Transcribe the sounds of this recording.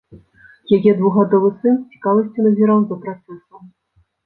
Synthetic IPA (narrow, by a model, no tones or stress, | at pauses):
jajɛd̪vuɣad̪ɔvɨsɨnsʲt͡sʲi̥kavɐsʲt͡sʲunɐzʲiɾawd̪ɐpɾat̪sɛsu